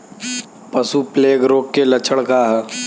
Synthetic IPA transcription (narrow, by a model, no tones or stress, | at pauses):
pəsupleːɡɾoːkːelɐt͡ʃʰəɽkaːɦɛ